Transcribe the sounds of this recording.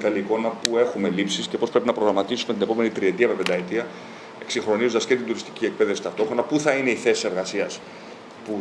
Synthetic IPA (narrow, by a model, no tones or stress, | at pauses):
t̪ɐliko̞nɐpue̞xume̞lipsisce̞popɾeinɐpɾoɣɾɐmɐt̪isume̞t̪ine̞pome̞nit̪ɾie̞t̪iɐme̞pe̞nd̪ɐet̪iɐ | e̞ksiŋxɾo̞nizod̪ɐsce̞t̪ind̪uɾist̪i̥ciek̚pe̞ðe̞fsi̥t̪ɐft̪o̞xɾo̞nɐpuθɐine̞iθe̞si̥se̞ɾɣɐsiɐs | pu